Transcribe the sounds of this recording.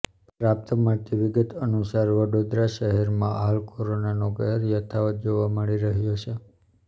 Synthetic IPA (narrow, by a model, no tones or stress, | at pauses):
ɾap̚t̪əmat̪ʰiʋɪɡət̪ənusaɾʋəɽod̪ɾaʃəɦɛɾmãɦalkoɾonanoɡɛɦəɾjət̪ʰaʋət̪̚d͡ʒoʋaməɭiɾəɦjot͡ʃʰe